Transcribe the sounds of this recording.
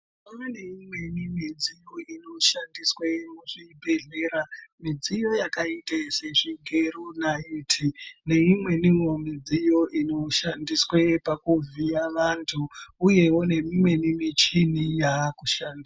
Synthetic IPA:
manane̞imwe̞nimid͡zijoino̞ʃandiswemuʐibʱeɮe̞ːɾamid͡zijo̞jakaiteseʐiŋɡe̞runaitʰine̞imwe̞nimomid͡zijo̞ʔino̞ʃandiswepakuviaʋantʰuːje̞wo̞ne̞mimwe̞nimit͡ʃinijaːkuʃaːnda

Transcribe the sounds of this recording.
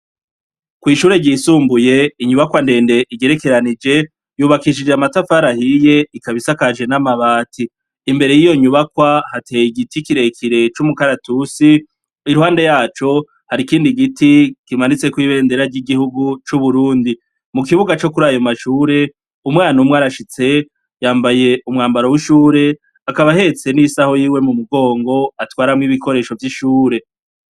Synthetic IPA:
kwiːʃuːɾe̞ɟiːsuːmbuje̞iɲuβakwande̞ːnde̞ʔiɟe̞ɾe̞ke̞ɾanid͡ʒe̞ | juːβakiʃid͡ʒeamatafaɾahije̞ikaβisakaʒe̞namaβaːtʰiː | mbe̞ɾe̞jijo̞ɲuβakwahateːjiɡitikiɾe̞kʰiɾe̞t͡ʃumukaɾatusi | iɾuhaːnde̞jaːt͡ʃo̞ | haɾikiːndiɡitikimanit͡se̞kwiːβe̞ːnde̞ɾaɾɟiɡihuɡut͡ʃuβuɾuːndi | mukiβuɡat͡ʃo̞kuɾaːjomaʃuːɾe̞ | umŋaːnumwaːɾaʃit͡se̞ | jaːmbaje̞umŋaːmbaɾowiʃuːɾe̞ | akaβaɦe̞t͡se̞nisaho̞jiːwe̞mumuɡo̞ːŋɡo̞atwaːɾamŋiβiko̞ɾe̞ːʃo̞vjiʃuːɾe̞

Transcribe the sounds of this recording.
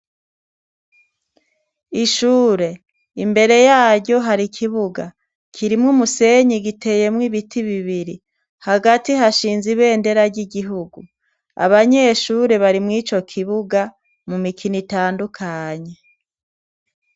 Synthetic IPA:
iʃuːɾe̞ | imbe̞ɾe̞jaːɾɟo̞ɦaɾikʰiβuɡa | kʰiɾimŋumuse̞ɲiɡitʰe̞je̞mwiβitʰiβiβiɾi | haɡatiɦaʃiːnziβe̞ːnde̞ɾaɾɟiɟiɦuɡu | a̰βaɲe̞ːʃuːɾe̞βaɾimŋiːt͡ʃo̞kʰiβuɡa | mumikʰinitaːndukʰaɲe

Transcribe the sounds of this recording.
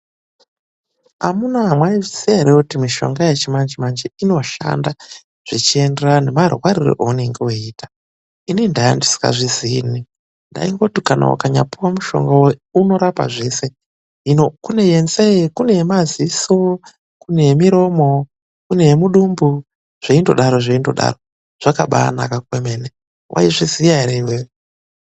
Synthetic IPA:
a̰munaɦamwaiisieɾeutimiʃo̞̰ŋɡajet͡ʃimand͡ʒimand͡ʒeino̞ʃa̰nda | ʐ̥it͡ʃie̞nderane̞marwaɾirḭʔouneŋɡeoiːtḁ | inindajandisi̥ka̰ʐizini | nda̰iŋɡo̞tukana̰wa̰kaɲa̰piwamuʃo̞̰ŋɡaweuno̞ɾapa̰ʐe̞ːse̞ | inokune̞jenseikune̞jemaziso | kune̞jemiɾo̞mo̞ | kune̞jemuɗumbu | ʐ̥eindo̞ɗaɾoʐeindo̞̰ɗa̰ro | ʐ̥akaɓa̰nakakwemene | wʔa̰iʐizijaɾewe

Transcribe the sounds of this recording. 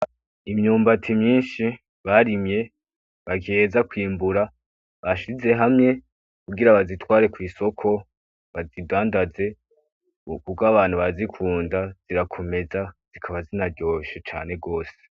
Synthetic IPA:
imɲuːmbatʰimɲiːnʃi | βaɾimɲe̞ | βaɡeːzakwiːmbuɾa | βaʃize̞ɦamŋe̞ | kuɡiɾaβazitwaːɾe̞kwiːso̞kʰo̞ | βazidaːndaze̞ | kuɡaβaːn̥huβazikʰuːndaz̥iɾakʰo̞me̞zaz̥ikʰaβazinaɾɟo̞ʃet͡ʃa̰ːne̞ɡo̞ːse̥

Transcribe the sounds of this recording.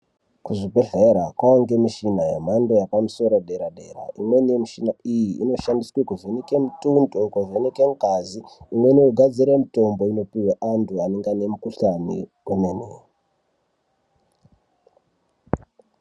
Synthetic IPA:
kuʐibʱeɮeɾakwaaŋɡemiʃinajḛm̤ando̞japamuso̞ɾoɗe̞ɾaɗe̞ɾa̰imwe̞nemiʃinaijḭːno̞ʃandiswekuvenekemutundokuʐenekeŋɡaziimwe̞neuɡʱad͡ziɾemito̞mbo̞ino̞piweʔantʰuaneŋɡane̞mukuɬanḭwenene

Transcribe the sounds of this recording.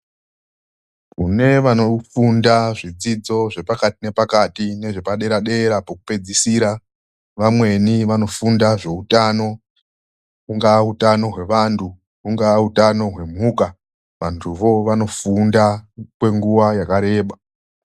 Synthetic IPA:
kune̞ʋanofundaʐid͡zid͡zo̞ʐe̞pakatine̞pakatine̞ʐe̞paɗe̞ɾaɗe̞ɾapoku̥pe̞d͡zisiɾa | ʋamwe̞niʋano̞fundaʐe̞utano̞ | kuŋɡaːutano̞ɦwe̞ʋantʰu | kuŋɡaːutano̞ɦwe̞m̤uːka | ʋantʰuʋo̞ʋano̞fundakwe̞ŋɡuwajakaɾe̞ːɓa

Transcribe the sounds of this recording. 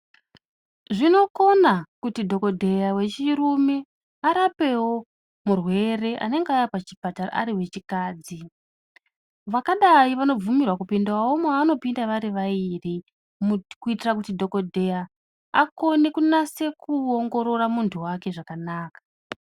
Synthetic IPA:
ʐino̞ko̞nakutidʱo̞ko̞dʱe̞jawe̞t͡ʃiɾume | aɾape̞wo̞ | murwe̞re̞ʔa̰ne̞ŋɡeaːjapat͡ʃibʱatara̰a̰ɾiwe̞t͡ʃikaːd͡zi | ʋakaɗaiʋano̞b͡vumirwakupindawaomaːno̞pindaʋaɾiʋairi | mkuitirakutidʱo̞ko̞dʱe̞ja | ako̞ne̞kunase̞kuoŋɡo̞ɾo̞ɾamuntʰuwake̞ʐakanaːkḁ

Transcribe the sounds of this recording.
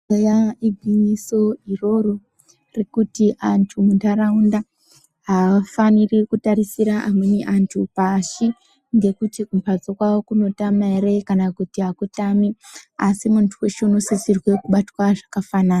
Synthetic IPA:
ejaiɡʱinisoiro̞ɾo | rekutiʔantʰumundaɾaunda | ɦafanirikutaɾisiɾaʔamweneʔantʰupaʃi | ŋɡe̞kutikumpʰad͡zokwawokuno̞tamaeɾekanakutiɦakutamiasimuntʰuwe̞ʃeuno̞sisirwe̞kuɓatwaʐakafanaːna

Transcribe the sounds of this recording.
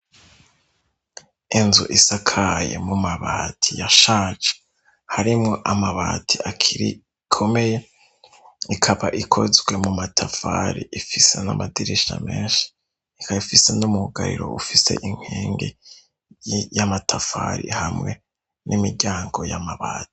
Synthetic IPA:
inzuʔisakʰajḛmumaβaːtʰijaʃaːt͡ʃḁ | haɾimŋo̞ʔamaβa̰ːtʰiakʰiɾi | kʰo̞me̞je | ikʰaβaʔikʰo̞zɡwe̞mumatʰafaɾḭʔifise̞na̰madiɾiʃa̰meːnʃi̥ː | kaifise̞numuɡaɾḭɾo̞̰ufise̞̰ʔiŋ̥hiːŋɡḛ | jamatʰafaːɾḭhamŋe̞ | nʔimiɟaːŋɡo̞jamaβaːti̥

